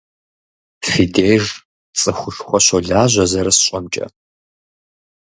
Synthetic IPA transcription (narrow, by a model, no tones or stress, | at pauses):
fideːjʒ | t͡sʼɨxʷʊɬxʷɔɕɔɮaːʑʷɐzɐɾɐsɕʼɐmt͡ʃʼɐ̰